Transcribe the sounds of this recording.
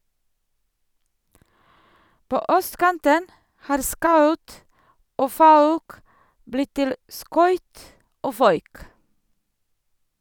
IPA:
ˈpoː ˈœstˌkɑntən ˈhɑːɾ ˈskɑʉt ˈoː ˈfɑʉk ˈblɪt ˈtɪl ˈskœʏt ˈoː ˈfœʏk

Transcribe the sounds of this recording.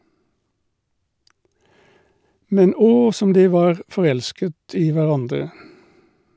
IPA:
ˈmɛn ˈɔ ˈsɔm ˈdiː ˈʋɑːʁ fɔˈʁɛlskət ˈiː ʋæˈʁɑndʁə

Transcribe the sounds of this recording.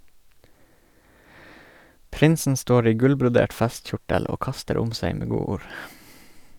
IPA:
ˈpɾɪnsn̩ ˈstoːɾ ˈiː ˈɡʉlbɾʊˌdeːʈ ˈfɛstˌçʊʈəl ˈoː ˈkɑstəɾ ˈʊm ˈseɪ ˈmeː ˈɡuːuːɾ

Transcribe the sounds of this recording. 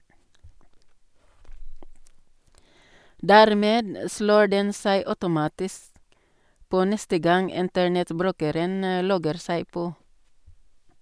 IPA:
ˈdæːɾˌmeːd m ə ˈsloː ˈɖɛn ˈsæɪ ˈœʉtʊˌmɑːtɪsk ˈpoː ˈnɛstə ˈɡɑŋ ˈɪntəɳɛtˌbɾʉːkəɾən ə ˈlɔɡəɾ ˈsæɪ ˈpoː

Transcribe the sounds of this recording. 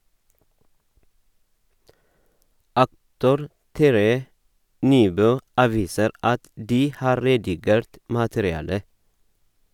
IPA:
ˈɑktʊɾ ˈtæɾəjə ˈnyːˌbøː ˈɑːˌʋiːsəɾ ˈɑt ˈdiː ˈhɑːɾ ˈɾeːdɪˌɡeːɾt ˈmɑːtəɾɪˌɑːlə

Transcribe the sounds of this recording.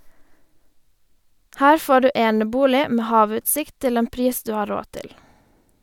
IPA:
ˈhæːɾ ˈfoː ˈɖʉː ˈeːnəˌbuːlɪ ˈmeː ˈhɑːˌʋʉːtsɪkt ˈtɪl ˈeːn ˈpɾiːs ˈdʉː ˈhɑː ˈɾoː ˈtɪl

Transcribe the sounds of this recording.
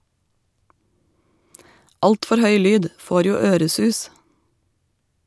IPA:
ˈɑltfɔɾ ˈhœʏ ˈlyːd ˈfoːɾ ˈjuː ˈøːɾəˌsʉːs

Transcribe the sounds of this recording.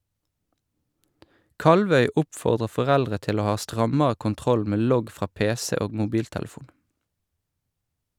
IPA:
ˈkɑlʋœʏ ˈʊpfɔʁdʁə fɔˈʁɛldʁə ˈtɪl ˈoː ˈhɑː ˈstʁɑməə kʊnˈtʁɔl ˈmeː ˈlɔɡ ˈfʁɑː ˈpeːsɛ ˈoːɡ mʊˈbiːltɛlˌfuːn

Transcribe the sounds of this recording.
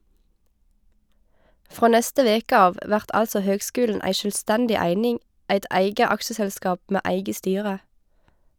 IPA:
ˈfʁoː ˈnɛstə ˈʋeːkə ˈɑːʋ ˈʋæʁt ˈʔɑlsɔ ˈhøːɡˌskʉːln̩ ˈʔæɪ ʃœlˈstɛndɪ ˈæɪnɪŋ ˈæɪt ˈʔæɪɡə ˈɑksəsɛlˌskɑːp ˈmeː ˈæɪɡə ˈstyːʁə

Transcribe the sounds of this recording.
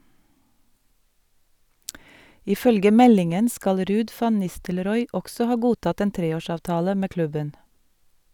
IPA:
ɪˈfœlɡə ˈmɛlɪŋən ˈskɑl ˈɾʉːd ˈfɑn ˈnɪstəlɾɔʏ ˈʔɔksɔ ˈhɑː ˈɡuːtɑt ˈeːn ˈtɾeːˌoːˌʃɑːʋtɑːlə ˈmeː ˈklʉbən

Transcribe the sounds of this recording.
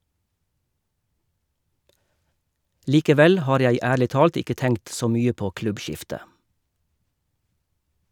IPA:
liːkəˈʋɛl ˈhɑːɾ ˈjæɪ ˈæːɭɪ ˈtɑːlt ˈɪkə ˈtɛŋkt ˈsoː ˈmyːə ˈpoː ˈklʉbˌʃɪftə

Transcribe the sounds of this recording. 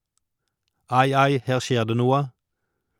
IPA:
ˈɑɪ ˈɑɪ ˈheːʁ ˈʃjeːʁ ˈdeː ˈnuːə

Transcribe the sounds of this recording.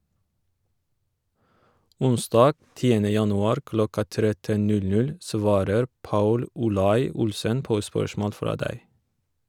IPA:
ˈʊnˌsdɑːɡ ˈtiːənə ˈjɑnʉˌɑːɾ ˈklɔkɑ ˈtɾɛtən ˈnʉlˌnʉl ˈsʋɑːɾəɾ ˈpɑʉl ʊˈlɑɪ ˈʊlsən ˈpoː ˈspœʃmoːl ˈfɾɑː ˈdæɪ

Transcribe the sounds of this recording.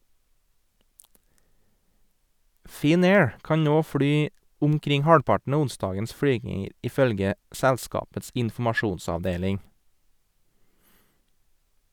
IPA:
ˌfɪˈneːɹ ˈkɑɲ ˈnoː ˈfɽyː ʊmˈkɾɪŋ ˈhɑːɽpɑʈɳ̩ ˈɑː ˈʊnˌsdɑːɡəns ˈfɽyːɡɪŋəɾ ʔɪˈfœlɡə ˈsɛlˌskɑːpəts ɪnfm̩ɑˈʃuːnsɑʋˌdeːlɪŋ

